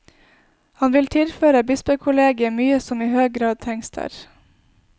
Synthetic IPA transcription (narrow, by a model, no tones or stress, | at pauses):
hɑnʋɪlt̪ʰɪlføːɾəbɪspəkʰʊleːɡɪəmyːəsɔmiːhøːɡ̚ɡɾɑːd̪̚t̪ʰɛŋst̪ʰæ̰ɾ